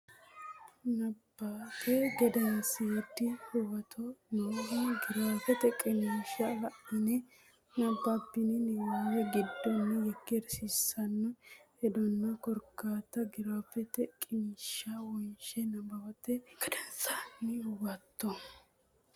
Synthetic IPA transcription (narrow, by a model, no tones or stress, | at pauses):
nɐbːapʰɛɡɐd̪ɐnsɪjɛd̪ːɪhʊwɐt̪ʰɔnoɡiɡɪɾɐfɛt̪ɛkʼːɪnʃɐbɐʔd̪ɐnɛ | nɐbːapːɪnɪnɪwɛɡɪd̪ːɔnːɛjɛkːɪɾsisɐnːɔ | ɛd̪ɔnːɐkɔɾkːaːt̪ːɐɡɪɾwɐpːɛt̪ɛkʼɪnʃɐwɔnʃɛnɐbɐwɐt̪ːɛɡ̥ɐd̪ɛnt͡sʼanːɪʊwɐt̪ːɔ